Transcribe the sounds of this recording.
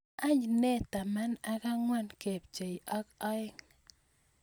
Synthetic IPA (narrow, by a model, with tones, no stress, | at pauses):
a˦ɲne˦t̪a˨ma˦na˦ka˦ŋwa˦nke˨p̚t͡ʃe˨i˨ʔɔ˦kɔ˦ɪ˦ŋ